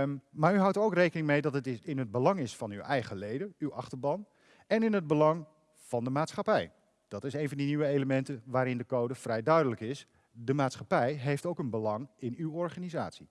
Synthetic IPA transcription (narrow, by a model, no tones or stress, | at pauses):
maːɹyɦʌwtəɹowkrejkənɪŋmejdɑtətɪnɦəd̚bəlɑŋɪsfɑnywɛjχəlejdəywɑ̰χtəɹbɑn | ɛnɪnɦəd̚bəlɑŋ | v̥ɑndəmaːtsχɑpɛj | d̥ɑtɪsejnvɑndiniʋəejləmɛntənʋaːɾɪndəkowdəv̥rɛjdœɥdələkɪs | dəmaːtsχɑpɛjɦejftowkənbəlɑŋɪnywɔɹχaːnizaːtsi